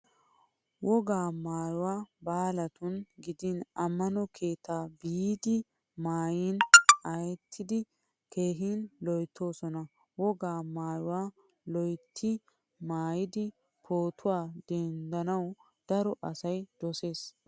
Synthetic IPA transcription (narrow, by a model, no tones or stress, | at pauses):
wɔɡaːmaːjʊwaːbaːlɐt̪ʊnɡɪd̪ɪnɐmːɐnɔkʰe̞ːt̪aːbijd̪ɪ | maːjiːnɐjɛt̪ʰːɪd̪ɪ | kʰe̞ːɦiːnlɔjt̪ʰːo̞ːsɔnɐ | wɔɡaːmaːjʊwaː | lɔjt̪ʰːɪ | maːjɪd̪ɪ | pʰoːt̪ʰʊwaːd̪ɛnd̪ɐnɐw | d̪̥ɐɾɔʔɐsɐjd̪̥ɔse̞ːs